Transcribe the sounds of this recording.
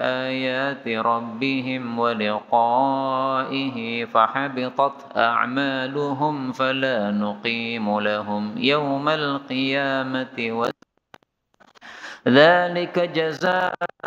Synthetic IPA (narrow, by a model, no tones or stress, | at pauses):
ʔaːjaːt̪ɪɾˤɑbːɪɦɪmwalɪqɑːʔɪɦɪfaħɑbɪt̪ˤɑt̪ʔa̰ʕmaːlʊɦʊmfalaːnʊqiːmʊlaɦʊmjawmalqɨjaːmat̪ɪwa | ðaːlɪkad͡ʒazaː